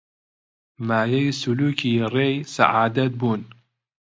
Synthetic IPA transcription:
maːjɐjsuluːkʰiːreːjsa̰ʕaːd̪ɐt̪̚buːn

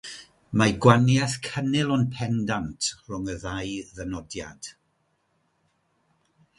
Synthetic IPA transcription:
maɡwanjaθkʰənɪlˠɔnpʰɛndantʰrʊŋəðajðɛnɔdja̰d̥

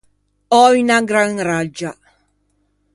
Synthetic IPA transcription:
ɔynaɡɾaŋɾad͡ʒa

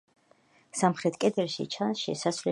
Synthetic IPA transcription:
samχɾɛt̪ʰkʼɛd̪ɛlˠʃḭt͡ʃʰanʃɛsasvlɛ

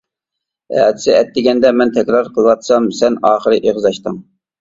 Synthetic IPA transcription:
ɛ̰t̪ʰɪ̥sɪɛt̪ːɪɡʲɛnd̪ɛmɛnt̪ʰɛkʲɾɑɾqʰəlˠɨwɑt̪sɑmsɛnɑːχəɾɨʔeʁzɑʃt̪ɨŋ

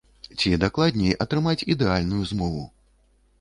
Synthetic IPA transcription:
t͡sʲid̪aklˠad̪ʲnʲejʔɐt̪ɾɨmat͡sʲid̪ɛalʲnujuzmɔvṵ

